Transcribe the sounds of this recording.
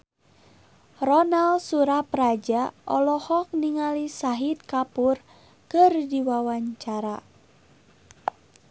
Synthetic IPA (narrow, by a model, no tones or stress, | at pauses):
rɔnalsuɾapɾad͡ʒaʔɔlɔhɔk̚niŋalisaɦit̪̚kapur | kɨrdiwawaɲt͡ʃaɾa